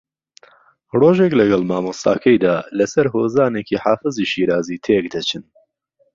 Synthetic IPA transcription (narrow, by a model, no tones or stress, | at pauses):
roːʒeklɐɡɐlmaːmust̪a̰ːkʰɐjd̪aːlɐsɐɾɦoːzaːneːkiħaːfɨziʃiːɾaːziːt̪ʰek̚d̪ɐt͡ʃʰɨn